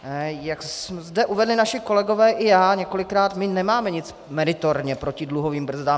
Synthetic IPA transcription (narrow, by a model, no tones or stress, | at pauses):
jaksmzdɛʔuvɛdlɪnaʃɪko̞lɛɡo̞vɛːʔɪjaːɲɛko̞lɪkɾaːt̪mɪnɛmaːmɛɲɪt͡s | mɛɾɪt̪oɾɲɛpɾo̞cɪdluɦo̞viːmbr̩zdaːm